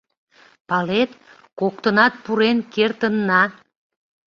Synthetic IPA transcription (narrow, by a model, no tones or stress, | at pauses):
pɑlet̪ | kok̚t̪ənɑt̪̚puɾenkert̪ənːɑ